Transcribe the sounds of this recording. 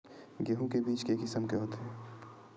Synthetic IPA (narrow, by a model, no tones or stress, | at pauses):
ɡeɦũkebiːt͡ʃkeːkɪsəmkeɦoːt̪eɦɛː